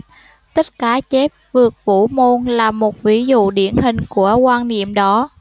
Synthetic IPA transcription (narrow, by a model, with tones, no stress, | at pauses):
t̪ə˦˥t̚kaː˧˩t͡ɕɛ˦˥p̚vɨ˨˩ək̚fṵ˧˥mo˧nlaː˨˩mo˨˩t̚vi˨˦zṵ˧˨ɗi˧˩ənɦï˨˩ŋ̟ku˧˩əkwaː˧nnḭ˧˨əmɗɔ˨˦